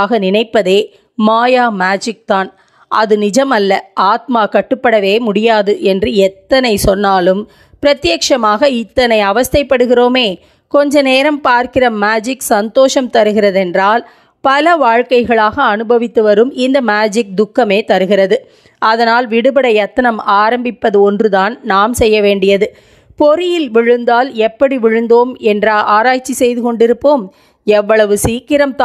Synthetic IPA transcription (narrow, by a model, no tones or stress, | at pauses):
ɣɐnɪnɐɪpːɐðeː | maːjaːmaːd͡ʒɪk̚t̪aːn | ʔɐ̰ðɯnɪd͡ʒɐmɐlːɐʔaːt̪̚maːkɐʈːɯpːɐɽɐʋeːmʊɽɪjaːðɯʔɛndrɯɛt̪ːɐnɐɪsɔnːaːlɯm | pɪɾɐt̪ːɪjɐkʂɐmaːɣɐɪt̪ːɐnɐɪɐʋɐst̪ɐɪpːɐɽɯɣɪroːmeː | kɔɲd͡ʒɐneːɾɐmpaːɾkɪrɐmaːd͡ʒɪksɐnt̪oːʂɐmt̪ɐɾɯɣɪrɐðɛndraːl | pɐlɐʋaːɻkɐɪɣɐɭaːɣɐːnɯbɐʋɪt̪ːɯʋɐɾɯmɪnd̪ɐmaːd͡ʒɪk̚d̪ʊkːɐmeːt̪ɐɾɯɣɪrɐðɯ | ʔɐðɐnaːlʋɪɽɯbɐɽɐɐt̪ːɐnɐmaːɾɐmbɪpːɐðɯɔndrɯðaːnnaːmsɛjːɐʋeːɳɖɪjɐðɯ | pɔɾɪjɪlʋɪɻɯnd̪aːlɛpːɐɽiʋɪɻɯnd̪oːmɛndrɐaːɾaːjt͡ʃːisɛjðɯkɔɳɖɪɾɯpːoːm | ɛʋːɐɭɐʋɯsiːkɪɾɐmt̪ː